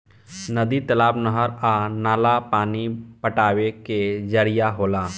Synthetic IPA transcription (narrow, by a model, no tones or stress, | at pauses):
nəd̪it̪ɐlaːbnəɦəɾanaːlapaːnipəʈaːweked͡ʒəɾijaɦoːlaː